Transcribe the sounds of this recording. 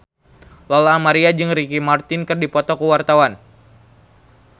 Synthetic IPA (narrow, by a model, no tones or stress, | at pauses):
lɔlaːmaɾiad͡ʒɨŋrikimart̪ɪnkɨrdipɔt̪ɔkəwart̪awan